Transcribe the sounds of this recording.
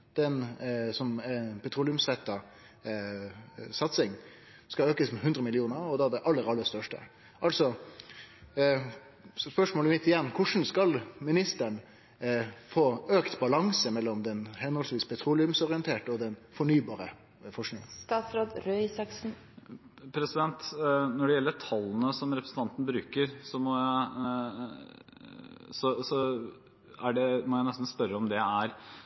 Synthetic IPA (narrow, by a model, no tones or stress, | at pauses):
d̪̥ɛnsɔmɛpʰɛt̪ʰɾuːlɪʉmsɾɛt̪ːɑ | sɑt̪sɪŋ | skɑøːkəsmɛɦʉnɾəmɪlɪuːnəɾɔd̪ɑd̪ɛʔɑlːəɾɑlːəst̪œʂʈə̰ | ʔɑlsɔ | spœʂmoːlmɪt̪ːɪjɛnːkʰʊʂn̩skɑlmɪnɪst̪əɳ | foːøːkt̪bɑlɑŋsəmɛlːɔmd̪ɛnhɛnɔlsʋiːspʰɛt̪ʰɾuːlɪʉmsɔɾɪənt̪ʰeːʈəɔd̪ɛnfɔɳyːbɑːɾə | fɔʂnɪŋst̪ɑːt̪sɾoːd̪ɾœʏsɑksn̩ | pʰɾɛsɪd̪ɛnt̪nɔɖɛjɛlːəʈʰɑlːənəsɔmɾɛpɾəsn̩t̪ɑnt̪ən̩bɾʉ̰ːkəɾsɔmɔjæɪ | sɔsɔ | æɖɛmɔjæɪnɛst̪n̩spœɾːəɔmd̪ɛæɾ